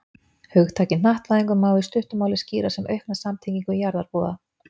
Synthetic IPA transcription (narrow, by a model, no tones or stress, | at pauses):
hœɣt̪ʰaːcɪnnaht̪vaðeŋkʏɾmaːwðɪst̪ʏht̪ʏmaːwlɪsciːɾasɛmœɥhknḁsamt̪ʰiciŋkʏjaɾðaɾpɔːða